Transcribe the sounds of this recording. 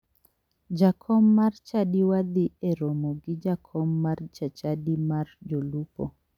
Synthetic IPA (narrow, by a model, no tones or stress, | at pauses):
d͡ʒakʰɔmːart͡ʃaɗiwad̪iɛɾɔmɔɡid͡ʒakʰɔmːart͡ʃat͡ʃadimard͡ʒolupɔ